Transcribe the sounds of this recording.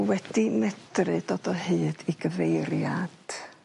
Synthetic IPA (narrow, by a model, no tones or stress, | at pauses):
wɛd̥imɛd̥rɨdɔdɔhɨːd̥iɡəvejrjad̥